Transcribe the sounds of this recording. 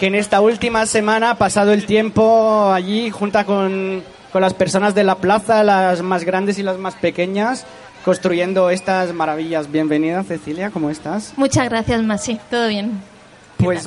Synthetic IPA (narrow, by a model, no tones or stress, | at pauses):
kene̞st̪ault̪imase̞mãnapasað̞oelt̪je̞mpo̞aʎixunt̪akon | ko̞nlaspeɾso̞nazðe̞laplaθalazmazɣɾand̪e̞silazmaspe̞ke̞ɲas | ko̞nst̪ɾuʝe̞nd̪oest̪azmaɾaβ̞iʎazβje̞mbe̞nið̞asθe̞θiljakomoest̪asmut͡ʃazɣɾaθjazmasit̪oðoβjen | pwwes